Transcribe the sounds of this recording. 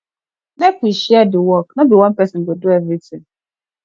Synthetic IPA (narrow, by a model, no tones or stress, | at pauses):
nɛkuʃiadɪwɔknãbiwãnpʰɛsɪ̃nbɔdʊɛvɾitʰɪ̃ŋ